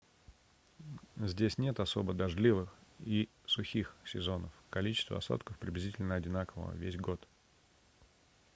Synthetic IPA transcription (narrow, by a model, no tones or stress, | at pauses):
zʲdʲesʲnʲe̞t̪ɐso̞bəd̪ɐʐlʲivɨxi | sʊxʲixsʲɪzo̞nəfkɐlʲit͡ɕɪst̪və̰ɐ̰so̰t̪kəfpɾʲɪblʲɪzʲitʲɪlʲnəɐdʲɪnakəvə̰vʲesʲɡo̞t̪